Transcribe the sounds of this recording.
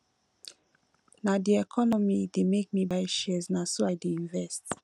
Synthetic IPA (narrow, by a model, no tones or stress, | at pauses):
nadiɛkʰɔnɔmidemek̚mibajʃɛɛznasoajdeĩnvɛst